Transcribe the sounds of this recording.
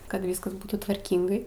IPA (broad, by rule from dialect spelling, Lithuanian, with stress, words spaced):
kɐt ˈʋʲiːskɐs ˈbuːtuː tʋɐrʲˈkʲiːŋɡɐɪ